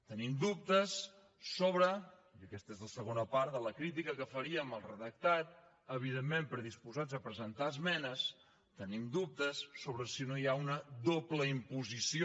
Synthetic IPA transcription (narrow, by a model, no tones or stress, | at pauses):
t̪ənimd̪up̚t̪əsː | oβɾə | əkɛst̪əezləsəɣonəpaɾðələkɾit̪̬ikəkəfəɾiəməlˠrəðək̚t̪at̪̚ | əβ̞iðemːempɾəðispuzad͡zəpɾəzənt̪aəzmɛnəs | t̪ənimd̪up̚t̪əsːoβɾəsinojaunəðopləimpuzisio